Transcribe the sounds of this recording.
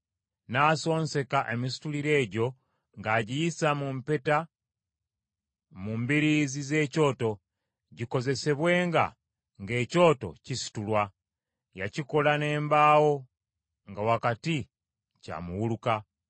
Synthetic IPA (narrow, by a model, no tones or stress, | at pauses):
naːso̞ːnse̞kaʔe̞misi̥tuliɾe̞ːɟo̞ | ŋɡaɟijisamumpe̞ta | mumbiɾizize̞ːco̞ːto̞ | ɟiko̞ze̞se̞βwe̞ːŋɡa̰ | ŋɡe̞ːco̞ːto̞̰cisi̥tulwa | jaciko̞lane̞ːmbaːwo̞ | ŋɡawakati | ca̰muwuluka